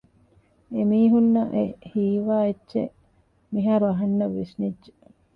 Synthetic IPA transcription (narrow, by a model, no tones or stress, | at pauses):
emiːɦunːɐʔehiːʋaːetːʃḛ | miɦaːɾuɐɦɐnːɐʋːisnidʒe